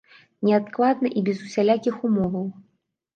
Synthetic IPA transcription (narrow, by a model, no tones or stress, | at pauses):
nʲɛat̪klˠad̪nɐʔibʲɛzusʲalʲakʲixumɔvɐw